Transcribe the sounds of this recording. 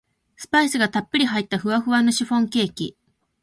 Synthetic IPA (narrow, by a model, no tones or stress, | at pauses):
sɨ̥paisɨɡat̪apːɯ̟ɾʲiɦait̪ːaɸɯ̟βaɸɯ̟βanːoɕiɸõ̞ŋkʲe̞ːkʲi